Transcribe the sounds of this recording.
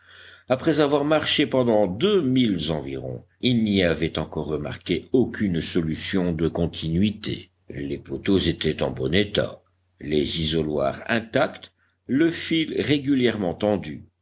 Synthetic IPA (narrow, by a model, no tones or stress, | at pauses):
apχɛzavwaʁmaʁʃepɑ̃d̪ɑ̃d̪ømilzɑ̃viʁɔ̰̃ | ilniavɛt̪ɑ̃kɔʁːəma̰ʁkʲeokʲʰynsɔlysjɔ̃d̪əkɔ̃t̪ʰinɥit̪ḛ | lepot̪ozet̪ɛt̪ɑ̰̃bɔnet̪a̰ | lezizɔlwa̰ʁɛ̰̃t̪akt̪ | ləfilʁeɡʲyljɛʁmɑ̃t̪ɑ̃d̪y